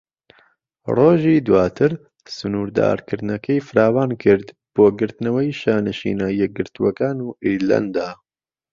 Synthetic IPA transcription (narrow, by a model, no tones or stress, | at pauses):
roːʒiːd̪waːt̪ʰɨɾ | sɨnuːɾd̪a̰ːɾkʰɨɾd̪nɐkʰɐjfɨɾaːwaːnkʰɨɾd̪b̥oːɡɨɾt̪nɐwɐjʃaːnɨʃḭːnaːjɛɡɨɾt̪uwɐkaːnuːʔiɾla̰nd̪aː